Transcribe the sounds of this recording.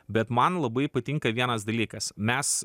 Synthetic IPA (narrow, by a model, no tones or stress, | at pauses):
bʲɛt̪mɐnlˠɐbɐɪpɐt̪ʲɪŋkɐʋʲiɛnɐsd̪ɐlʲiːkɐsmʲɛs